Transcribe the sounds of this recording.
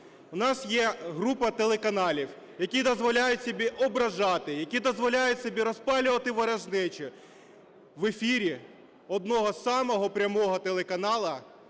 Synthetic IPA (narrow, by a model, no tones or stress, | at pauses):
ʊnɑsjɛɦɾupɐt̪elˠekɐnɑlʲiw | jɐkʲid̪ɔzʋɔlʲajʊtʲsʲɔbʲiʔɔbɾɐʒɑt̪ɪjɐkʲid̪ɔzʋɔlʲajʊtʲsʲɔbʲiɾɔspɑlʲʊʋɐt̪ɪʋɐɾɐʒnɪt͡ʃɪ | ʋefʲiɾʲi | ɔd̪nɔɦɔsɑmɔɦɔpɾʲɐmɔɦɔt̪elˠekɐnɑlˠɐ